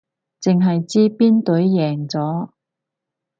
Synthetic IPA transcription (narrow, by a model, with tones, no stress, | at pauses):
t͡sɪ˨ŋɦɐ˨jt͡siː˥piː˥nt̪ɵ˨˥ɥjɛː˨˩ŋt͡sɔː˨˥